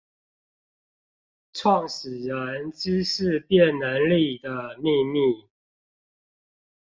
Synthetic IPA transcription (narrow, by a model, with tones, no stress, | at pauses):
ʈ͡ʂʰwɑ˥˨ŋʂɻ̩˨˩ɻə˨˦nʈ͡ʂ̩˥ʂɻ̩˥˧pjɛ˥˨nna˨˦nli˥˨d̪ə˩mi˥˧mi˥˩